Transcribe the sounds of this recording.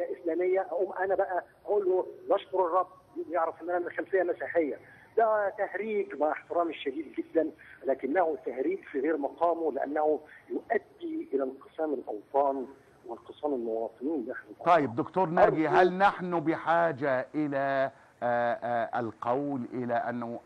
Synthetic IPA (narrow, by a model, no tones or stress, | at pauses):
jæʔɪslæːmɪjːæʔæʔuːmʔænæbæʔæʔæʔuːlːulɑʃkʊɾɨrˤːɑb̪̚ | jjeʕɾæfʔenːʔænæmɪlxælfɪjːæmæsiːħɪjːæ | d̪æt̪æhɾiːɡmaʕɪħt̪ɪɾɑːmʃːæd̪iːd̪ɡɪd̪ːænlæːkɪnːæhut̪ːæhɾiːkfiɣeːɾmɑqɑːmolɪʔæ̰nːæhujʊʔæd̪ːiʔɪlælqɨsæːmɪlʔɑwt̪ˤɑːn | wɪlqɨsæːmɪlmʊwɑːt̪ˤɨniːnlːiʔaħnʊt̪ˤɑjːɪb̚d̪ʊkt̪uːɾˤnæːɡiɦælnaħnʊbɪħaːd͡ʒaʔɪlæ | ɪlqɑwlʔɪlæʔanːʊ